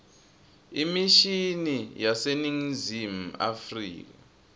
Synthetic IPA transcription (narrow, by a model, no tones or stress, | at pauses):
imiʃinijaseniŋzim̩a̰frḭːk̬a